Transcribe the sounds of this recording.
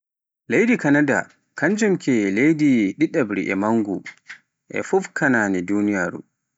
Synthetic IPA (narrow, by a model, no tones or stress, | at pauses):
lejdikanada̰ | kʰaɲd͡ʒumkʰɛlejdiɗiɗabɾḭʔɛ̰maŋɡu | ʔɛ̰fufkananɛdunijaːɾṵ